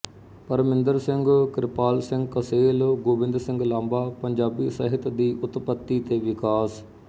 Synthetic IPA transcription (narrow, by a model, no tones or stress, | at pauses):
pəɾmɪ̃nd̪əɾsɪ̃ŋɡkɾɪpaːlsɪ̃ŋɡkəseːlɡoːbɪ̃nd̪ɾsɪ̃ŋɡlãːmbaːpəɲd͡ʒaːbiːsəɦɪt̪d̪iːʔʊt̪pət̪ːiːt̪eːʋɪkaːs